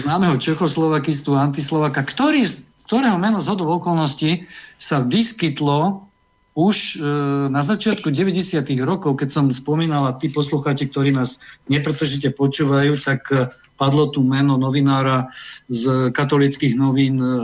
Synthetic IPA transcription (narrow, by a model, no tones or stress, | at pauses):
znaːmɛɦɔt͡ʃɛxɔslɔʋakis̬t̪uant̪islɔʋaːkakt̪ɔɾiː | kt̪ɔɾɛːɦɔmɛnɔzɦɔd̪ɔʊɔkɔlnɔscisaʋiskit̪lɔ | uʃnazat͡ʃɪat̪kuɟɛʋɛɟɛsɪat̪iɣɾɔkɔʊkɛcsɔmspɔmiːnalat̪iːpɔsluxaːt͡ʃik̚t̪ɔɾiːnaːzɲɛpɾɛt̪r̩ʒicɛpɔt͡ʃuːʋajuːt̪ak | pad̪lɔt̪umɛnɔnɔʋinaːɾazkat̪ɔlit͡skiɣnɔʋiːn